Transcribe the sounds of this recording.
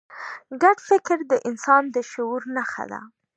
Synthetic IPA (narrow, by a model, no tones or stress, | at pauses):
ɡaɖfɪkɾd̪əʔɪnsɑnd̪əʃʊuɾnaxa̰d̪a̰